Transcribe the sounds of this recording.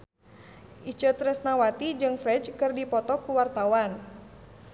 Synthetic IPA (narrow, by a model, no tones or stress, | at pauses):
ʔit͡ʃət̪ɾɛsnawat̪id͡ʒɨŋfɾɛt͡ʃkɨrdipɔt̪ɔkuwart̪awan